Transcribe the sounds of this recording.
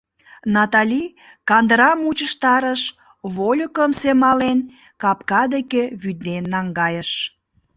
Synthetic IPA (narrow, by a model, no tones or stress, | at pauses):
nɑt̪ɑlʲi | kɑnd̪əɾɑmut͡ɕəʃt̪ɑɾəʃ | βolʲəkəmsemɑlen | kɑpkɑd̪ekeβyd̪nenːɑŋɡɑjəʃ